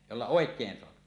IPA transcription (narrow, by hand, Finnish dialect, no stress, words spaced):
jolːɑ oˑekˑeːn soɑpi